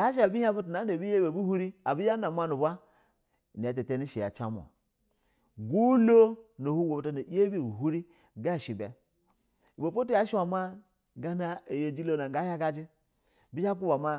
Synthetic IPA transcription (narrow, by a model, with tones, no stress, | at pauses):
ja˦ʃ̬a˨bi˦ha˦bu˦t̬u˨na˨˦o˨bi˦je˦be˨bu˦hu˦ɾi˦a˨bi˦ja˦na˨ma˦nu˨ba˦˨ | ni˨a˨t̬e˨te˦ni˦ʃi˨ja̰˨t͡ʃa˦m˨o̰˨ | ɡu˦lo˦no˨hu˦wo˨bu˨ta˨na˨i˦e˦bi˦˨bu˨ɦu˦ɾi˦ | ɡa˦˨ʃi˨be˨ | i˨bo˨po˦tu˦ja˦ʃi˦wa˨ma˦ | ɡa˦na˦e˨je˨d͡ʒi˦lo˦na˨ŋ˨ɡa˦ja˦ɡa˦d͡ʒi˦ | bi˦a˦k̬u˦ba˨ma˦